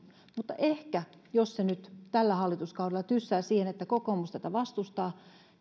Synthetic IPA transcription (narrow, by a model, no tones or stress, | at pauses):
mut̪ːɑ̰ʔehkæ | jossenyt̪t̪ælːæhɑlːit̪uskɑuwɾelːˑɑt̪ysːæːsiːhenet̪ːækokoːmust̪æt̪æʋɑst̪ust̪ɑː